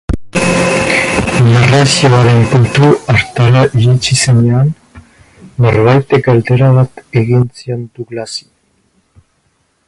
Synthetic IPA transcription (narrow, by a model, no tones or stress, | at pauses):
narasioaɾe̞ŋkult̪uɾaɾt̪aɾaʔiɾit͡siseneanː | o̞ɾβajt̪ekald̪e̞ɾaβat̪e̞ɣint͡siond̪uɣlasi̥